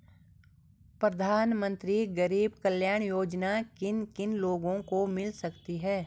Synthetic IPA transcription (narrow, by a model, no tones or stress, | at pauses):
pɾɐd̪ʱaːnmə̃nt̪ɾiɡɐɾiːbkəljaːɳ̃joːd͡ʒnakɪnkɪnloːɡõkomɪlsɐkt̪iɦɛː